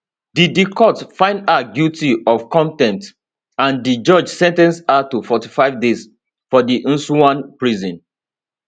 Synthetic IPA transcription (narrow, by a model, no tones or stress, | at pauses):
didikʰɔtfãɪ̃ndaɡjutiɔvkɔ̃ntɛ̃nt | ãndid͡ʒɔd͡ʒsɛ̃ntɛ̃nsatufɔtifaɪvdes | fɔdiʔũnsuãnpɹizɔ̃n